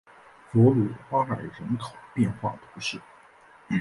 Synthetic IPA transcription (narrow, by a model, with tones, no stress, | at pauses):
fwɔ˧˥lu˨˩fa˥la˨˩ɪɻə˧˥nkʰo˨˩˦ʊpjɛ˥˧nxwa̰˥˩t̪ʰu̥˧˥ʂɻ̩˥˩